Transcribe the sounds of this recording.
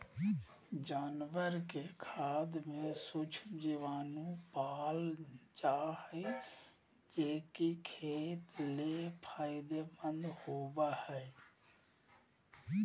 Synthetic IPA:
d͡ʒaːnwəɾkekʰaːd̪mẽsʊt͡ʃʰd͡ʒeʋaːnũpaːld͡ʒaːhe | d͡ʒeːkikʰeːt̪lepʰaːɪd̪ebə̃nd̪hoːbahɛː

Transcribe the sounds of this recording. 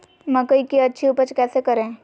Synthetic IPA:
mɐkəikiɐtːʃʰiʊpət͡ʃkɛːsekɐɾẽː

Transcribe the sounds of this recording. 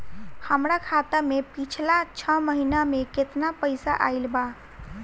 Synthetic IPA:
həmɾakʰat̪əmepit͡ʃʰlat͡ʃʰəməɦinameket̪napəjsa̰ʔa̰jlba

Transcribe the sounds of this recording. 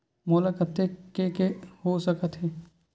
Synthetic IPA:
moːlakət̪ekekehosəkət̪ɦɛː

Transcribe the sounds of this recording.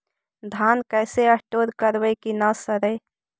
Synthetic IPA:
d̪ʱaːnkɛːseəʈoːɾkəɾwəjkinasəɾəj

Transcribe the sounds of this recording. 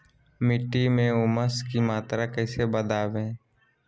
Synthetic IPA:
mɪʈːimẽʊməskimaːt̪ɾakɛːsebəd̪aːbẽː

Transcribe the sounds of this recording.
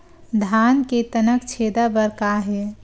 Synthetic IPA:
d̪ʱanket̪ənəkt͡ʃʰed̪abəɾkaɦe

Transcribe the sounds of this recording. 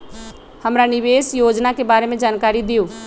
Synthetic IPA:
həmɾanɪʋeːsjoːd͡ʒnakebaːɾemẽd͡ʒaːnkaːɾid̪ijoː

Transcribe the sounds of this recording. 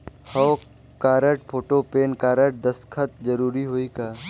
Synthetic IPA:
hɔː | kaːɾəʈ̚pʰoːʈopeːnkaːɾəʈ̚d̪ɐskʰət̪̚d͡ʒəɾuːɾiɦoːikaː

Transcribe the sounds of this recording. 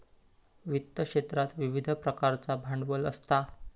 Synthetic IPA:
ʋit̪ːəkʂet̪ɾat̪ʋiʋid̪ʱpɾəkaɾt͡sabʱaɳɖʋələ̰st̪a

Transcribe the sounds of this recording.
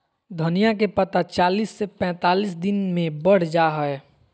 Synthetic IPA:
d̪ʱənijak̬epət̪at͡ʃaːlisːepɛ̃ːt̪aːlis̬d̪ɪnmẽbəɽ̤d͡ʒaɦəe

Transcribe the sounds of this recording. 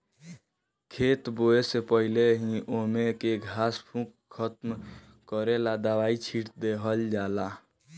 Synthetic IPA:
kʰeːt̪boesepəɦileɦĩʔomekeɡʱaːspʰũk | kʰət̪m | kəɾelad̪əʋaːit͡ʃʰiʈd̪eɦəld͡ʒaːla

